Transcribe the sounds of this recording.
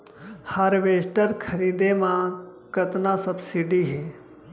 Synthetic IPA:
haɾʋeːsʈəɾkʰɐɾiːd̪emãkət̪nasɐbsiɖiɦeː

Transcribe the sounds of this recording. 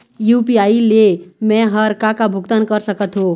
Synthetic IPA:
jupiailemɛ̃ɦəɾkakabʱuɡt̪ankəɾsəkət̪ɦõ

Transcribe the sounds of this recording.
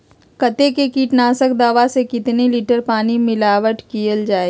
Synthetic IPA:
kɐt̪ekekiːʈnaːsək̚d̪aːʋasekɪt̪nelɪʈəɾpaːnimɪlaːʋəʈkiəld͡ʒaːe

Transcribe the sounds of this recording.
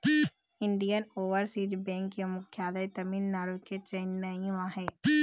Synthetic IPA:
ɪɳɖijənoːʋəɾsiːd͡ʒbɛ̃ːŋkjomʊkʰjaːləjt̪ɐmiːnːaːɾuket͡ʃɐɪnːɐĩʋãɦɛː

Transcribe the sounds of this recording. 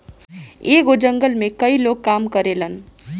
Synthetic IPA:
eɡod͡ʒəŋɡəlmekəilokːamkəɾelən

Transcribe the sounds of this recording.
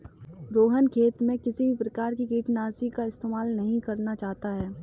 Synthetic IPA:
ɾoːɦənkʰeːt̪mẽkɪsibʱipɾɐkaːɾkikiːʈnaːsikaɪst̪eːmaːlnɐɦĩkɐɾnat͡ʃaːɦt̪aɦɛː

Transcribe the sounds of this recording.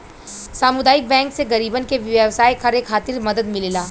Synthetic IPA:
saːmʊd̪aːɪk̚bɛ̃ːŋkseɣɐɾiːbənkeʋəwsaːikʰɐɾekʰaːt̪ɪɾmɐd̪əd̪mɪlelaː

